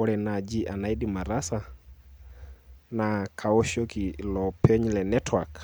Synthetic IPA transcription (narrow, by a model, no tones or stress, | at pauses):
ɔɾɛnad͡ʒiʔanaidimaɾasa | nakʰaɔʃɔkilɔpʰɛɲlɛnɛtwak